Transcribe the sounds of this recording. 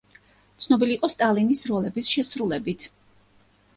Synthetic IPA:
t̪sʰnɔbiliːqʼɔst̪ʼalinisɾɔlɛbisʃɛsɾulɛbit̪ʰ

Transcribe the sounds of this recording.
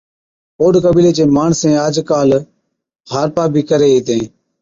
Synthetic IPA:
oːɖkəbiːleːt͡ʃeːmaːɳsẽːaːd͡ʒkaːl | haːɾpaːbʱiːkəɾeːeːt̪ẽː

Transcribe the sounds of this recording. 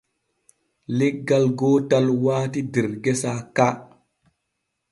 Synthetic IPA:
leɡɡːalɡoːtalwaːtidiɾɡesaka

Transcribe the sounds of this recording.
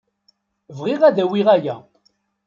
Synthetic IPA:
vʁiʁæðæwiʁæjæ̰

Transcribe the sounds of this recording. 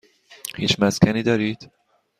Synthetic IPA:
hiːt͡ʃmæszkʲʰæniːd̪ɒːɾiːd̪̥

